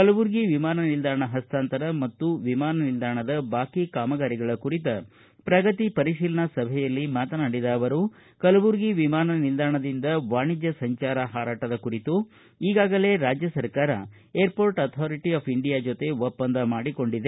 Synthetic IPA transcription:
kɐlɐʋuɾɡiʋimaːnɐnild̪ʱaːɳɐɦɐst̪aːnt̪ɐɾɐmɐt̪ːuʋimaːnɐnild̪aːɳɐd̪ɐbaːkikaːmɐɡaːɾiɡɐɭɐkuɾit̪ɐ | pɾɐɡɐt̪ipɐɾiʃiːlɐɳɐsɐbʱɛjɐlːimaːt̪ɐnaːɽid̪ɐːʋɐɾu | kɐlɐʋuɾɡiʋimaːnɐnild̪ʱaːɳɐd̪ind̪ɐʋaːɳid͡ʒjɐsɐɲt͡ʃaːɾɐɦaːɾaːʈɐd̪ɐkuɾit̪u | iːɡaːɡɐle̞ɾaːd͡ʒjɐsɐɾkaːɾɐ̰ | eːɾpoːɾʈɐt̪ʰaːɾiʈiaːpʰiɳɖijaːd͡ʒot̪e̞opːɐnd̪ɐmaːɽiko̞ɳɖid̪e

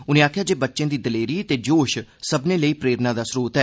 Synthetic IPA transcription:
ʊnẽːaːkʰjaːd͡ʒeːbətːʃẽːd̪iːd̪əleːɾiːt̪eːd͡ʒoːʃsəbnẽːləiːpɾeːɾnãːd̪aːsɾuːt̪ɛː

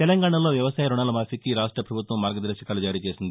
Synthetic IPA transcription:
t̪ɛlɐŋɡaːɳalo̞ːʋjɐʋɐsaːjɐɾuɳaːlɐmaːfikːiɾaːʂʈɾɐpɾɐbʱut̪ʋɐmːaːɾɡɐd̪ɐɾʃɐkaːlud͡ʒaːɾiːt͡ʃe̞ːsind̪i

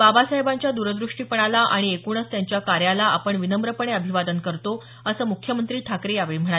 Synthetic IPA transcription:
babasaɦebãɲt͡ɕjad̪uɾəd̪ɾuʂʈiːpəɳ̃alaʔaɽ̃iekuɳ̃ət͡st̪jaɲt͡ɕjakaɾjalaʔapəɳʋinəmbɾəpəɳeəbʱiʋad̪ənkəɾt̪o | əsəːmukʰjəmənt̪ɾiːʈʰakɾejaʋeɭim̤əɳ̃a

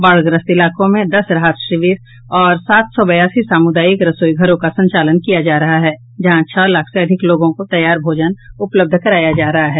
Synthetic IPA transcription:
baɭɡɾəst̪ɪlaːkõmẽd̪ɐsɾɐɦaːt̪ʃɾɪʋiːɾ | ɔːɾsaːt̪sɔbɐjaːsisaːmʊd̪aːjikɾɐsoːiɡʱɐɾõkasɐ̃ɲt͡ʃaːlənkijad͡ʒaːɾɐɦaɦɛː | d͡ʒɐɦãt͡ʃʰɔːlaːkʰseɐd̪ʱɪkloːɡõkot̪ɐjːaːɾbʱoːd͡ʒənʊpləb̚d̪ʱkɐɾaːjad͡ʒaːɾɐɦaɦɛː

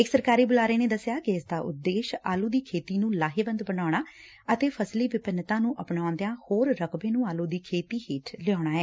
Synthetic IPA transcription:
ɪksəɾkaːɾiːbʊlaːɾeːneːd̪əsɪjaːkɪɪsd̪aːʔʊ̰d̪ːeːʃa̰ːluːd̪iːkʰeːt̪iːnũːlaːɦeːbənd̪bənaːɽaː | ət̪eːpʰəsliːʋɪpənt̪ãːnũːʔəpɳãːnd̪eãːhoːɾːəkʰbẽːnũːaːlũːd̪iːkʰeːt̪iːheːʈʰlɪjɔːɽ̃aːɛː

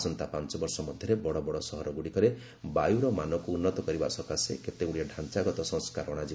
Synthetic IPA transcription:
sɔnt̪apant͡ʃɔbɔɾsɔmɔd̪ʱjɔɾebɔɽɔbɔɽɔsɔɦɔɾɔɡuɽikɔɾe | bajuɾɔmanɔkuːnːɔt̪ɔkɔɾibasɔkaseket̪eɡuɽijaɖʱant͡ʃaɡɔt̪ɔsɔ̃ŋskaɾɔɽ̃ad͡ʒi

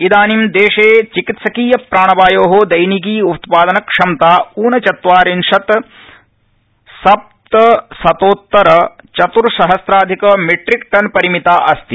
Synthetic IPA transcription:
id̪aːnimd̪eːʂeːt͡ʃikit̪sɐkiːjɐpɾaːɳɐbaːjoːɦod̪ɐjnik̬iːut̪paːd̪ɐnɐkʂɐmt̪aːuːnɐt͡ʃɐt̪ʋaːɾinʂɐt̪ | sɐp̚t̪ɐsɐt̪oːt̪ːɐɾɐt͡ʃɐt̪uɾsɐɦɐsɾaːd̪ʱikɐmeʈɾikʈɐnpɐɾimit̪aːʔɐst̪i

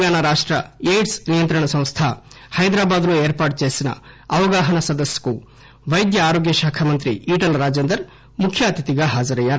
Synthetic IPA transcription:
ɡaːnɐɾaːʂʈɾɐ̰eːjʈsnijɐnt̪ɾɐɳɐsɐ̃w̃st̪ʰɐ | hɐjd̪ɾaːbaːd̪ɐnueːɾpaːʈ̚t͡ʃeːsinɐ̰ | ɐʋɐɡaːɦɐnɐsɐd̪ɐsjɐ̥ku | ʋɐjd̪jɐaːɾoːɡjɐʃaːkʰɐmɐnt̪ɾiiːʈɐlɾaːd͡ʒend̪ɐɾ | mukʰːjaːt̪it̪iɡaɦaːd͡ʒɐɾɐjaːɾ

